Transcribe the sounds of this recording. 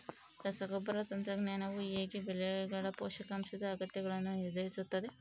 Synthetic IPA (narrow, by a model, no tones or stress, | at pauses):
ɾɐsɐɡɔbɐɾɐt̪ɐnt̪ɾɐɡnɐːnɐʋueːɡibelɛɡɐɽɐpoːʃɐkɐmsɐd̪ɐːɡɐt̪jɐɡɐɭɐnːuniɾd̪ɐjisut̪ːɐd̪e